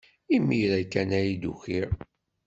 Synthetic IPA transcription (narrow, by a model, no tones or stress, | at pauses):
imːiɾækːænæjid̪ṵçiɾ